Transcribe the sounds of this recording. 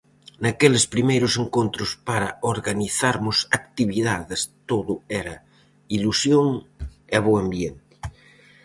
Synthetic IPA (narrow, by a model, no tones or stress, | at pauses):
nakelespɾimejɾʊseŋkont̪ɾʊspaɾɐoɾɣaniθaɾmʊsakt̪iβiðaðest̪oðʊɛɾɐ | ilusjoŋeβoambjent̪ɪ̥